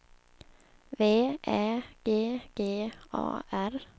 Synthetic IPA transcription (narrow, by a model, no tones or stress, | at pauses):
ʋeːʔæːɡ̥eːɡ̥eːʔɑ̰ːæɾ